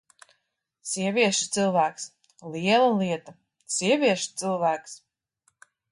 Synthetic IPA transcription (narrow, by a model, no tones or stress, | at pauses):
siɛvʲiɛʃu̥t̪sɨlˠvæːks | liɛlˠaliɛt̪a | siɛvʲiɛʃt̪sɨlˠvæːks